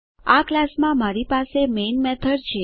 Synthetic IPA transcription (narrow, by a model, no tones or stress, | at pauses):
aklasmãmaɾipasemenmɛt̪ʰəɾt͡ʃʰe